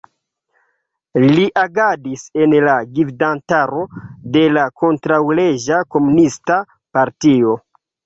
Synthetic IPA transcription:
liʔaɡadise̞nlaɡivdantaɾo̞de̞lako̞ntɾawleʒako̞munista | paɾtio̞

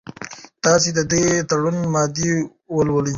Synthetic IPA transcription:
t̪ɑsid̪əd̪et̪ɐɽunmɑːd̪i | wəlwəli

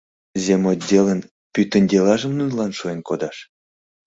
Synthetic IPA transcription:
zʲemodʲelən | pyt̪ə̆nʲd̪ʲelɑʒə̆mnunlɑnʃuenkod̪ɑʃ

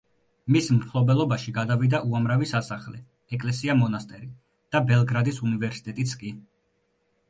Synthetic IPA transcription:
mismχlˠɔbɛlˠɔbaʃiɡad̪avid̪aʔuamɾavisasaχlɛ̰ | ɛkʼlɛsiamɔnast̪ʼɛɾi | d̪̥abɛlˠɡɾad̪isunivɛɾsi̥t̪ʼɛt̪ʼit̪sʰkʼi

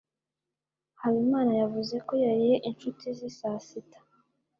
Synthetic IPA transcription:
haβimaːnajavuze̞ko̞jaɾije̞ʔint͡ʃutizisasitḁ

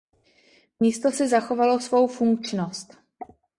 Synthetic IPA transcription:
miːst̪o̞sɪzaxo̞valo̞svo̞wfuŋkt͡ʃnost̪

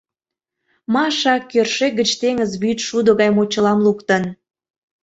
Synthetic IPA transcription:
mɑʃɑkːørʃeɡət͡ɕt̪eŋəzβyt̪ʃud̪əɣɑjmot͡ɕəlɑmlukt̪ən

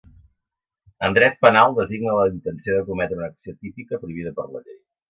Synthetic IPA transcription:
ənd̪ɾɛt̪̚pənalˠd̪əziɡnələint̪ənsioðəkumɛt̪ɾəunəksiot̪ipikəpɾuiβiðəpərləʎej

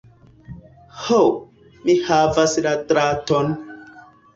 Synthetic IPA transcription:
ho | mihavaslatɾaton

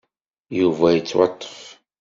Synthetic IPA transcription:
juvæjət͡sːwɑ̰t̪ˤːə̥f

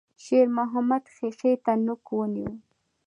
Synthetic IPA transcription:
ʃeɾmʊɦamad̪xexet̪anʊkwʊnjuw

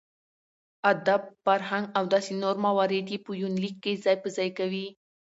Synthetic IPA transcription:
ad̪abfaɾɦaŋɡawd̪ɑsinoɾmawɑɾed̪ipujunlikːejzɑjpəzɑjkawi

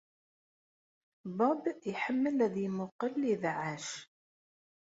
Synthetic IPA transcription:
bɑbiħəmːəlæðjəmʊqəlːiðʕaʃ

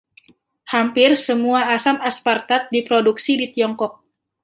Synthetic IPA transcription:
hampɪrsəmuaːsamaspart̪at̪̚dipɾoduksidit̪iɔŋkɔk̚

